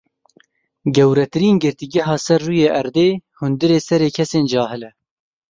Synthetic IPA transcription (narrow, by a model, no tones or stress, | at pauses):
ɡɛwɾɛt̪ɨɾiːnɡɨɾt̪iːɡɛɦɑːsɛɾːuːjeːʔɛɾd̪eːhʊnd̪ɨɾeːsɛɾeːkʰɛseːnd͡ʒɑːɦɨlɛ